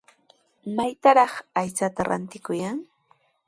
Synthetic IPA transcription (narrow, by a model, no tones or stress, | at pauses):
majt̪aɾɑχajt͡sat̪aɾa̰nt̪ɪkʊjaŋ